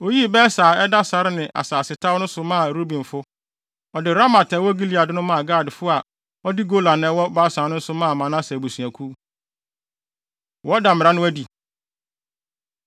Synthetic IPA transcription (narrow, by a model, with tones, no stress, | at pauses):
o˦ji˦bɛː˦saː˨ɛ˦da˦sa˦ɾɪ˦nɪ̃˨ʔa̰˨saː˨sɪ˨tʰa˦wnʊ̃˦sʊ˨mã˦˨ɾo˦bĩ˨n˨fʊ˦ | ɔ˨dɪ˨ɾa˦ma˨tʰɛ˨˦wɔ˦ɡi˦li˨a˨dɪ˦nʊ̃˦mã˦˨ɡa˦˨dfʊ˦a˨ | ɔ˦di˦ɡo˦la˨nɛ̃˦wɔ˦baː˦sã˨˦nʊ̃˦n̩˦sʊ˦mãː˦˨mã˨nã˦sɛ˨bu˨sũ˨æ̃˨kʰu˦ | wɔ˦da˨m˨ɾa˦nʊ̃˦æ˦di˨